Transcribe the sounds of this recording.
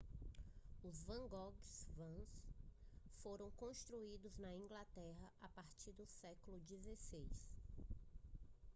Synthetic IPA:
ʊzvɐ̃ɡɔɡsvɐ̃s | foɾɐ̃w̃kõst̪ɾuid̪ʊznɐĩɡlat̪ɛɦɐʔapaɾt͡ʃiɾd̪ʊsɛkʊlʊd͡ʒizesejs

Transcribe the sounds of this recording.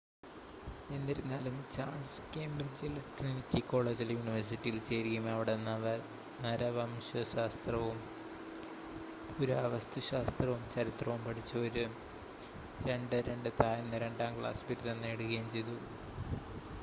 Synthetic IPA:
e̞nːiɾunːaːlumt͡ɕaːɳskeːmbrid͡ʑilklinitʲːiko̞ːɭe̞ːd͡ʑiljuːniʋɐrs̬iʈːijilt͡ɕe̞ːɾikʲːumɐʋiɽenːɐʋɐr | nɐɾɐʋɐmɕɐɕaːst̪rɐʋum | puɾɐɐʋɐst̪ʰuɕaːst̪rɐʋumt͡ɕɐɾit̪rɐʋumpɐʈʰit͡ɕːɐoɾu | ɾe̞ɳɖɨɾe̞ɳɖɨt̪aːjɐnːɨɾe̞ɳɖaːmkɭa̰ːsbiɾuðenːeːɽuɣɐjumt͡ɕe̞jt̪u

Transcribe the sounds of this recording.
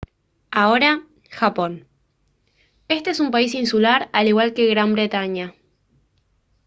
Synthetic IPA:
ao̞ɾa | xapo̞n | e̞st̪e̞esumpaisinsulaɾaliɣwalke̞ɣɾambɾe̞t̪aɲa

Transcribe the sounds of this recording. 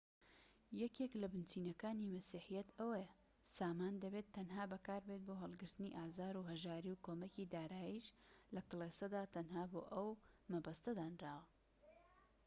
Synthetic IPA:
jɛkeklɐbɨnt͡ʃiːnɐkaːnimɐsiħijɛt̪ɐwɐja | saːmaːnd̪ɐbeːt̪ʰːɐnɦaːbɐkaːɾbet̪̚boɦɐlˠɡɨɾt̪ɨniʔaːzaːɾuɦɐʒaːɾiwkʰoːmɐkiːd̪aːɾaːjiʃlɐkɨlˠesɐd̪aːt̪ʰɐnɦaːboːʔɐwmɐbɐst̪ɐd̪aːnraːwɐ

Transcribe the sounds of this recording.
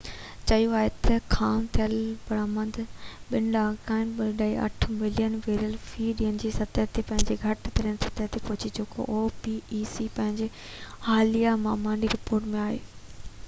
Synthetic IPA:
t͡ɕɐjuaːɦet̪ɐkʰaːmt̪ʰijəlpɐɾaːmə̃nd̪ʱɓɪnɖakãːɪ̃nbɪlɗaːiʔɐ̰ʈʰmɪlijənʋeːɾijəlfiːɗiːənɪd͡ʑiːsɐt̪əɦt̪ʰepɐ̃ɦɪ̃ɲd͡ʑeɡʱɐʈt̪ɐɾiənɪsɐ̥t̪ət̪ʰepʊɦʊt͡ɕid͡ʑeːko̰ʔoːpiːiːsipɐ̃ɦɪ̃ɲd͡ʑe | haːlijamãːmãːɳɖiɾɪpoːɾʈmẽaːɦḛː

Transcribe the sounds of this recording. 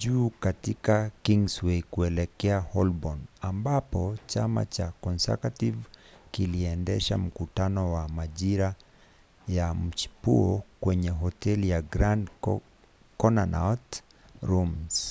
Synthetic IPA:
ʄuːkatikakiŋɡswekuɛlɛkɛahɔlbɔnambapɔt͡ʃama̰t͡ʃakɔnsa̰kativkiliɛndɛʃa̰m̩kutanɔwamaʄiɾa | jam̩t͡ʃi̥puɔkwɛɲɛɦɔtɛlijaɡɾand | kɔnanat | ɾums

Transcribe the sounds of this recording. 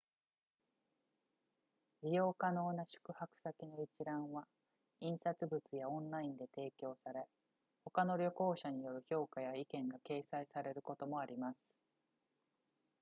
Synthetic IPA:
bʲijo̞ːkano̞ːnaɕɨ̥kɯ̟hakɯ̟̥sakʲino̞it͡ɕiɾãɰ̃βa | ĩɰ̃sat͡sɨbɯ̟t͡sɨjaõ̞nɾaĩnd̪e̞t̪e̞ːkʲo̞ːsaɾe̞ | ho̞kano̞ɾʲjo̞ko̞ːɕaɲ̟ijo̞ɾɯ̟ço̞ːkajaikẽ̞ŋɡake̞ːsaisaɾe̞ɾɯ̟ko̞t̪o̞mo̞aɾʲimasɨ̥

